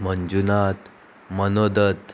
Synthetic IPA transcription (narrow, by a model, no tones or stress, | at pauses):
məɲd͡ʑunat̪ | mənod̪ət̪